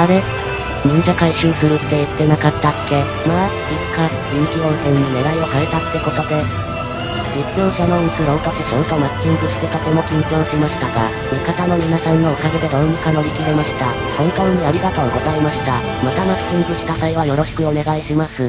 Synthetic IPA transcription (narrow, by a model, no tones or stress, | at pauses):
aɾe̞ | mĩŋkakaiɕĩɰsɨɾɯt̪ːe̞it̪ːe̞nakat̪ːatʰːe̞ | ma | ikʰːa | kʲĩŋkʲiõ̞ɰ̃sẽ̞nːine̞ɾaio̞kaet̪at̪e̞ko̞kat̪e̞ | ɡikjõ̞ːɕano̞isɯɾõ̞ŋkat̪ɯɕõŋt̪omat͡sɨ̥t͡ɕĩŋɡɯ̟ɕi̥t̪ek̪at̪emo̞kʲĩŋkʲiõ̞ɰ̃ɕimaɕi̥t̪aɡa̰ | mikat̪ano̞mʲinasãŋɡookaɡed̪e̞d̪õmɯ̟kano̞ɾʲikiɾemaɕi̥t̪a | kõ̞ŋkãɲiaɾʲiɡat̪o̞ːɡo̞zaimaɕi̥t̪a | mat̪amat͡sɨ̥t͡ɕĩŋɡɯ̟ɕi̥t̪at̪aiβajo̞ɾo̞ɕi̥kɯ̟o̞ne̞ɡaiɕimasɨ